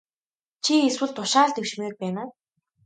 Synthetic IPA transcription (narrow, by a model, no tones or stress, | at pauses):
t͡ɕʰieswɘ̆ɮt̪ʰʊʃaːɮt̪ewʃmeːr̚pæːnaː